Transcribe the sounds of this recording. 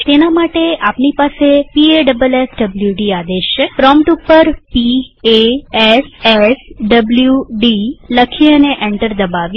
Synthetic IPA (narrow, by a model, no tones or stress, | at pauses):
t̪enamaʈeapnipasepieɖəbəlesɖəbljuɖiad̪eʃepɾɔmʈupːəɾpieesesɖəbljuɖiləkʰeəneʔeɳʈəɾd̪əbaʋj